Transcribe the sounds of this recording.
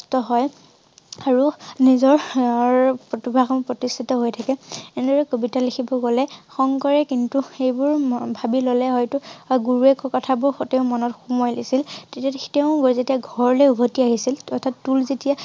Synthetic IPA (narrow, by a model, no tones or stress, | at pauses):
tɔɦɔj | aɹunizɔɹɹpɹɔtibʱɹaxɔmpɹɔtistʰitɔɦojtʰakɛɛnɛdɔɹɛkobitalekʰibɔɡɔlɛxɔŋkɔɹɛkintuxejbʊɹbʱabilolɛɦɔjtuɡuɹuekɔkɔtʰabʊɹxteʊ̃mɔnɔtxumɔjlisiltetiateʊ̃ɡozetijaɡʱɔɹɹɔleubʱotiaɦisilɔtʰatːulzetija